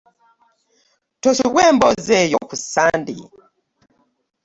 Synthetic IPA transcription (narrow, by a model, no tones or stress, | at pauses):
tɔsuɡwɛmbɔzɛjɔkusandḭ